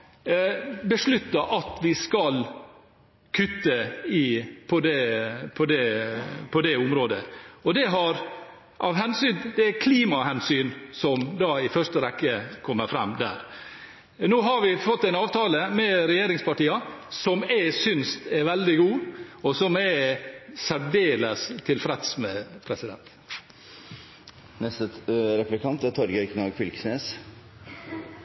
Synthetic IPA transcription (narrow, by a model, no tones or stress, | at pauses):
bəʂɭʉt̪ːɑʔɑt̪ʋɪskɑl | kʰʉt̪ːəɪpʰɔd̪ɛpʰɔd̪ɛpʰɔd̪ɛʊmɾoːd̪ə̰ɔd̪ɛɦɑɾ | ʔɑʋɦɛnsyːnd̪ɛækʰliːmɑhɛnsyːnsɔmd̪ɑːɪfœʂʈəɾɛkːəkʰɔmːəɾfɾɛ̰md̪æ̰ːɾ | noːɦɑɾʋɪfɔt̪ːæɪnɑːʋt̪ʰɑːləmɛɾɛjeːɾɪŋspɑʈiːɑsɔmɛsʏnst̪ɛɾʋɛld̪ɪɡuːɔsɔmɛ | sæɾɖeːləst̪ʰɪlfɾɛt̪smɛpʰɾɛsɪd̪ɛ̰nt̪ | nɛst̪əɾɛplɪkʰɑnt̪æt̪ʰɔɾɡəɾknɑɡfɪlksneːs